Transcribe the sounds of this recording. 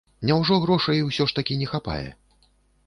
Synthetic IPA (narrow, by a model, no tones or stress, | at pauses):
nʲawʐɔɣɾɔʂɐiwsʲɔʂt̪akʲinʲɛxapa̰jɛ̰